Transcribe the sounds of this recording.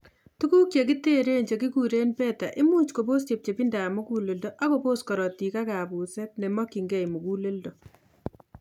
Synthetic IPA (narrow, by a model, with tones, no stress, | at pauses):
tu˦ku˦kt͡ʃe˨ki˦te˦ɾe˦ɲt͡ʃe˨ki˦kuɾe˦npɛ˦ta˨ʔɪ˦mu˦t͡ʃko˨bo˦ste˨p̚t͡ʃe˨pi˦nda˨mu˦ku˦le˨ldoʔa˦ko˦po˦skɔ˨ɾɔ˨ti˨ka˦ka˨pu˨sɛ˦t̚nɛ˨mɔ˦ki˨ŋɡɛ˦jmu˨ku˦le˦ldo˨